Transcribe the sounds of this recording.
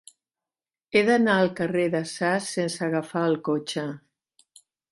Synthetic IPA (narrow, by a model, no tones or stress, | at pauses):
eðənaəlˠkəreðəsasːensəɣəfaəlˠkot͡ʃə